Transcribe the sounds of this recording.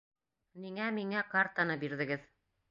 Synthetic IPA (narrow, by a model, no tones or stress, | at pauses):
niŋæmiŋækart̪anɤbiɾðɘ̆ɡɘð